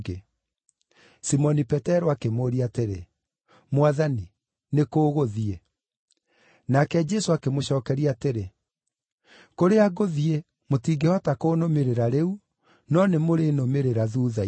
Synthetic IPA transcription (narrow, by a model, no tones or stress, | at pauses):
ɡe | simɔnipɛtɛɾoakemoɾiateɾḛ | mwaðani | nekoːɣoðie | nakɛd͡ʒɛsoakemoɕɔːkɛɾiateɾe | koɾeaɡoðie | motiːɡehɔtakoːnomeɾeɾaɾeu | nɔnemoɾenomeɾeɾaðuːða